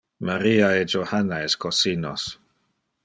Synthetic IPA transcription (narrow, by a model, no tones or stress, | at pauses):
maɾiːaed͡ʒohanaeskosino̰s